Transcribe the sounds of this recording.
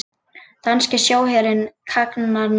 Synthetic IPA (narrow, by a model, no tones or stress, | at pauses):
t̪anscɪsjoːwɦɛːɾɪnkʰaknaɾn